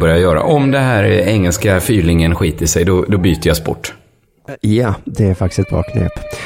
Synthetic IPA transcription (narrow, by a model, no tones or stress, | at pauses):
bœɾjajœːɾa̰ʔɔmd̪ɛnɦæːɾɛŋːəlskafyːlɪŋənɧiːt̪əʂɛjd̪ɔd̪ɔbyːt̪əjɑspɔ̰ʈː | jad̪ɛæɾfakt̪ɪ̥sɛt̪bɾɑ̰ːkʰɾḛːp